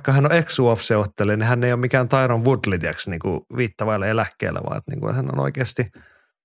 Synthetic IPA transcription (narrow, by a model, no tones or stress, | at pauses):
kːɑhænoeksuɑfseot̪ːelenihænːeijomikæːnt̪ɑiɾoʋʋud̪lit̪iæ̰ksniːŋkuʋiːt̪ːɑʋɑilːɑelækːḛilʔæ̰ʋɑ̰ːḛt̪nḭːŋkṵnhæno̰no̰ikeːst̪i